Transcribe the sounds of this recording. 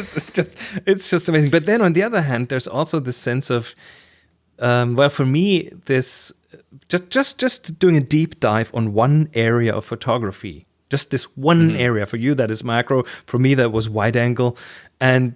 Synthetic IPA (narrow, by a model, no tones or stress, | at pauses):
sɪsd̥ʒ̥ʌstɪtsd̥ʒ̥ʌstəmeɪzɪ̃ŋbʌt̪̚ðɨ̃nə̃nðiʌðə˞ɦæ̃nd̪̚ðə˞zɔ̰lˠsoʊðɪsɛ̃nsʌv̥ | ʌ̃mwɛlˠfə˞miðɪs | d͡ʒ̥ʌsd̥ʒ̥ʌsd̥ʒ̥ʌsd̥ʉɪ̃ŋɨdip̚d̥aɪvn̩wʌ̃nʔɛɹiɨ̰ʔʌ̰v̥fotʰɑɡɹɨfḭ | d̥ʒ̥ʌst̪̚ðɪswʌ̃nɛɹiɨfə˞jɨðɨɾɨzmækɹoʊfə˞miðɨt̚wʌzwaɪɾæ̃ŋɡl̩ˠɨ̃n